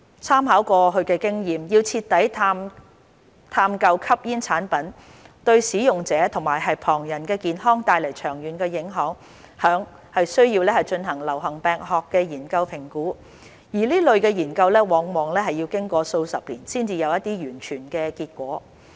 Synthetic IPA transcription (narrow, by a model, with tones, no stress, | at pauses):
t͡sʰaː˥mhaː˨˥wkɔː˧ɦɵ˨˧kɛː˧kɪ˥ŋjiː˨mjiː˧wt͡sʰiː˧t̚t̪ːɐ˨˥jt̪ʰam | t̪ʰaː˧mkɐ˧wkʰɐ˥p̚jiː˥nt͡sʰaː˨˥npɐ˨˥n | t̪ɵ˧ɥsiː˨˥jʊ˨ŋt͡sɛː˨˧˥t̪ʰʊ˨˩ŋmaː˨˩jɦɐ˨jpʰɔː˨˩ŋjɐ˨˩nkɛː˧kiː˨nɦɔː˥ŋt̪aː˧jlɐ˨˩jt͡ʃʰœː˨˩ŋjyː˨˩nkɛː˧jɪ˨˥ŋɦœː˨˥ŋ | hœː˨˥ŋ | hɐ˨jsɵ˥ɥjiː˧wlɛː˥hɐ˨˩jt͡ʃɵ˧nɦɐ˨˩ŋlɐ˨˩wɦɐ˨˩ŋpɛː˨ŋɦɔː˨kːɛː˧jiː˨˩nkɐ˧wpʰɪ˨˩ŋkuː˨˥ | jiː˨˩liː˥lɵ˨ɥkɛː˧jiː˨˩nkɐ˧wlɛː˥wɔː˨˥ŋmɔː˨˩ŋlɛː˥ɦɐ˨ji˧wkɪ˥ŋkʷɔː˧so˧wsɐ˨p̚liː˨˩nsiː˥nt͡siː˧jɐ˨˧wjɐ˥t̪̚iː˥jyː˨˩nt͡ʃʰyː˨˩nkɛː˧kiː˧t̚kʷɔː˨˥